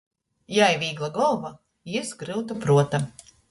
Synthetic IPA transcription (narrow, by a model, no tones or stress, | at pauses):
jajvʲiːɡlˠaɡɔlˠva | isɡɾɨwt̪apɾuɔt̪a